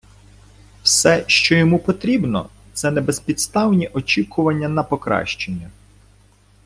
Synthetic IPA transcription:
wsɛʃt͡ʃɔjɔmupɔt̪ɾʲibnɔ̰ | t̪sɛnɛbespʲid̪st̪ɑwnʲiʔɔt͡ʃʲikʊʋɐnʲːɐnɐpɔkɾɑ̰ʃt͡ʃenʲːɐ

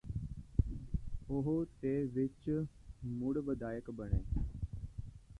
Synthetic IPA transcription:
ʊɦot̪eːʋɪt͡ʃ | muɽbəd̪aːjəkbəɽ̃eː

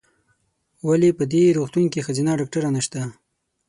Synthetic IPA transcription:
walepəd̪eɾoxt̪uŋkixazinɑɖɑk̚ʈaɾanaʃt̪a

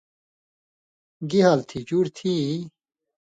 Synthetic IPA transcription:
ɡiɦɐlt̪ʰid͡ʑuɾt̪ʰi

